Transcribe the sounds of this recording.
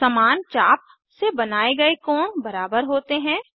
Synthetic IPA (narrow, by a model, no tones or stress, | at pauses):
ɐmaːnt͡ʃaːp̚ | sebɐnaːeɡɐekɔːɳbɐɾaːbəɾɦoːt̪eɦɛ̃ː